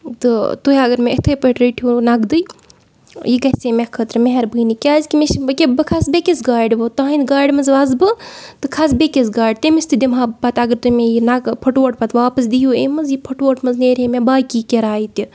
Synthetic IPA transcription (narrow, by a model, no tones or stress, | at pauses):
t̪ɨt̪uɦʲiɐɡɐɾmẽɐt̪ʰəjpəʈɾəʈʰjoːnɐɡd̪ɨj | jiɡɐsemʲekʰət̪ɾmeɦɐɾbɨːnikʲaːzkʲimeʃkʲebɨkʰasbekʲesɡaːɖʋɨt̪aːɦĩnd̪ɡaːɖʲmɐzʋɐzbɨt̪ɨkʰasbekʲezɡaːɖʲt̪emisʲt̪ɨd̪imɦaːpɐt̪ɐɡɐɾt̪umejinɐɡpʰɐʈʋoʈpɐt̪ʋaːpɐsd̪ijuːemɐzjipʰɐʈʋoːʈmɐnzneːɾʲemebaːkiːkʲeɾaːit̪i